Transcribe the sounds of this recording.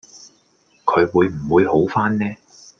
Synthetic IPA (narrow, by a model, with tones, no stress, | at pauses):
kʰɵ˨˧ɥwuː˨˧jm̩˨˩wuː˨˧jho˨˥wfaː˥nnɛː˥